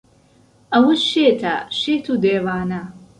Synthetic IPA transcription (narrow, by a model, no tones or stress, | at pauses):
ʔɐwɐʃet̪ʰɐ̰ʃeːt̪ʰuːd̪eːwaːnɐ